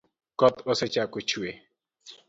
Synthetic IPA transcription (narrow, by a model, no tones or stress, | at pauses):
kɔt̪oset͡ʃakut͡ʃʰue